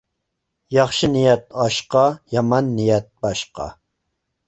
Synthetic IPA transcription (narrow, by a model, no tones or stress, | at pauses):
jɑχʃɨnijɛt̪̚ɑʃqɑjɑmɑnːijɛt̪̚bɑʃqɑ̰